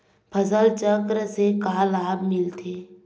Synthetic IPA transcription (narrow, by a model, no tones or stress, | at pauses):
pʰɐzəlt͡ʃəkɾəsekaːlaːbmɪlt̪ʰeː